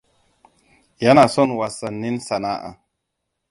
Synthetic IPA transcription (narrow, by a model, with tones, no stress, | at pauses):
ja˦na˨sɔ˦nwa˨sa˨nːi˦nsa˨na˦ʔa̰˨